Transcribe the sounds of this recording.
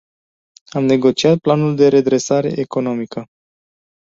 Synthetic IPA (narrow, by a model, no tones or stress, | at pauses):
amne̞ɡo̞t͡ʃiat̪̚planuld̪e̞ɾe̞d̪ɾe̞saɾe̞̰ʔeko̞no̞mikə